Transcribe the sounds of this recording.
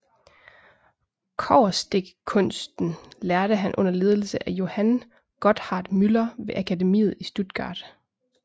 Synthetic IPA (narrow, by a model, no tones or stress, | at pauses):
kʰɒʊ̰ɐsd̥e̝ɡ̥kʰɔ̽n̰sd̥n̩læɐɾ̥əɦænʔɔ̽n̰ɐle̝ːð̞ˠl̩səʔæjo̝hæn | ɡ̥ɒ̽d̥hɑ̈ːd̥mylɐʋe̝ʔækʰæde̝mḭːð̞̩ˠisd̥ud̥ɡ̥ɑ̰̈ːd̥